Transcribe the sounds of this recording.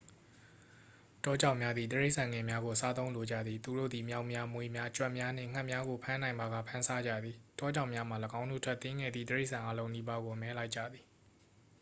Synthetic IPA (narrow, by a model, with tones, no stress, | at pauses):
tɔ˦d͡ʑã˦˨mja˦d̪ðḭ˨t̪ə˨ɹe˦ɪʔsã˨ŋɛ̃˨mja˦ɡo˨sa˦t̪õ˦ʊ̃lo˨d͡ʑä̰˦˨d̪ði˨t̪u˨ɾo̰˦˨d̪i˨mja˦˨ʊʔmja˦mwe˨mja˦t͡ɕwɛ˦˨ʔmja˦n̥ɪ̰̃˦˨ŋ̥a˦ʔmja˦ɡo˨pʰã˦nã˨ɪ̃mba˨ɣa̰˦˨pʰã˦nsa˦d͡ʑä̰˦˨d̪ði˨tɔ˦d͡ʑã˦˨ʊʔmja˦m̥a˨lə˨ɡã˦ʊ̃nṵ˦˨tʰwɛ˦˨t̪ːɪ̃˦ŋɡɛ̰˦˨d̪ðḭ˦˨t̪əɹe˦ɪʔsã˨ʔa˦lõ˦ʊ̃ni˦ba˦ɡo˨mɛ˦la˦ɪʔt͡ɕä̰˦˨d̪ði˨